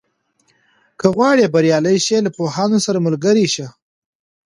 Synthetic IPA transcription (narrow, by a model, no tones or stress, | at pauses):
kəɣwɑɽebaɾjɑləjʃelapohɑnosaɾamʊlɡəɾiʃa